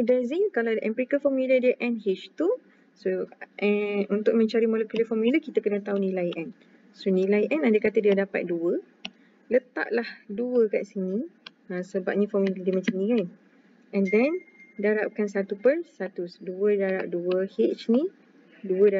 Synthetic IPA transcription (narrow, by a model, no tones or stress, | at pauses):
dɛziŋkalawdəʔɛ̃mpɾikəfɔmilədiəʔɛ̃nɦit͡ʃt̪u | soʔɛunt̪ʊk̚mə̃ɲt͡ʃaɾimõlekuləfɔmiləkit̪əkənət̪aunilajʔɛn | sonĩlaiʔɛ̃nandəkat̪ədiadapa̰t̪̚duə | lət̪a̰ʔlahduəka̰ʔsini | ãsəbap̚ɲafɔmilədiəmãt͡ʃanĩkan | ɛ̃ndɛndaɾap̚kansat̪upərsat̪usduədaɾap̚duəhet͡ʃni | duəda